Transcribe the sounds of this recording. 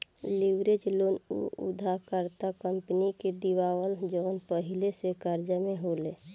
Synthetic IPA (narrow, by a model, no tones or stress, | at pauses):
liʋɾed͡ʒloːnṵṵd̪ʱakəɾt̪akəmpniked̪iʋaːwəld͡ʒəʋənpəɦɪlesekaɾd͡ʒəmẽɦoleː